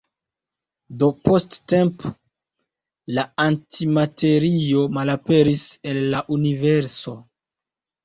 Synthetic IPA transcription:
do̞po̞stte̞mp | laantʰimatʰe̞ɾio̞malape̞ɾise̞lːaʔunive̞ɾso̞

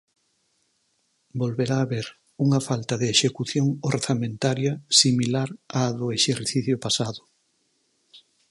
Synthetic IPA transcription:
bolβeɾaːβeɾ | uŋɐfalt̪ɐðɪːʃekuθjoŋoɾθamẽnt̪aɾjɐsimilaɾaðʊeʃeɾθiθjʊpasaðʊ

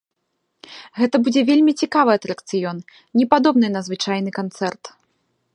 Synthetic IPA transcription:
ɣɛt̪ɐbud͡zʲɛvʲelʲmʲit͡sʲikavɨɐt̪ɾɐkt̪sɨjɔn | nʲɛpad̪ɔbnɨnɐzvɨt͡ʂajnɨkant̪sɛrt̪

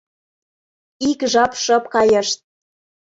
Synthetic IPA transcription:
ikʒɑpʃɤ̆pkɑjə̆ʃt̪̚

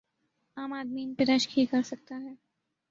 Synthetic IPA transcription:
aːmaːd̪miːnpeɾɐʃkʰikɐɾsɐk̚t̪aɦɛː

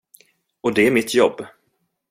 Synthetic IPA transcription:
ɔd̪ɛæɾmɪt̪ʰjɔbː

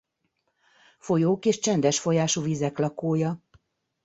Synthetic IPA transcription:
fo̞joːkeːʃt͡ʃɛnd̪ɛʃfo̞jaːʃuːvizɛklɒkoːjɒ

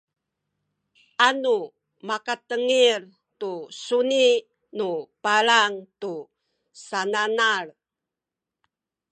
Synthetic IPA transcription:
ʔanu | makat̪əŋir | tusuni | nupalaŋt̪u | sananar

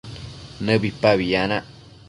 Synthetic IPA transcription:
nəbipaβiana

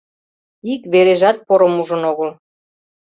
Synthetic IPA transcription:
ikβeɾeʒɑt̪̚poɾəmuʒənoɣəl

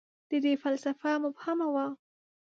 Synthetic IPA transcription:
d̪̥əd̪efalsafamʊbhamawa

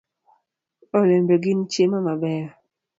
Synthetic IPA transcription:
ɔlɛmbɛɡɪnt͡ʃjemamabɛɾ

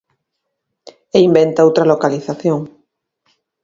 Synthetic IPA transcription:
eimbent̪aowt̪ɾalokaliθaθjoŋ

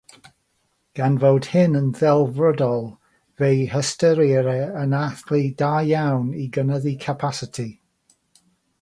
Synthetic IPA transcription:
ɡ̥anvowd̥hɪnənðɛlˠvrɔdɔlˠ | vejhəstəɾiɾɛənaθlidajjawniɡənəðikʰəpʰasɪtʰi

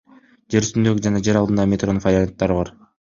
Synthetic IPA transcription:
d͡ʒe̞ɾyst̪ynd̪ø̞ɡyd͡ʒɑnɑd͡ʒe̞ɾɑld̪ɯnd̪ɑmʲet̪ro̞nfaɾʲiant̪ːɑɾɯbɑɾ

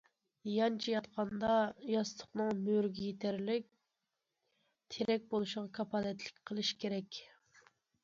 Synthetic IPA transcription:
jɑnt͡ʃʰijɑt̪qʰɑnd̪ɑjɑst̪ʰˠə̥χnɨŋmøɾɡʲɛjet̪ʰæɾlɪk̚ʲ | t̪ʰeɾɛk̚ʲbolˠuʃɪʁɑkʰɑpʰɑːlɛt̪lɪ̥kʲqʰəlˠɨʃkʲʰeɾɛkʲ

